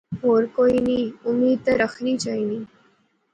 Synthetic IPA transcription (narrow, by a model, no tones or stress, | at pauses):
ɦoːɾkoːiniːʊmiːd̪̚t̪əɾəxʰnit͡ʃaːiniː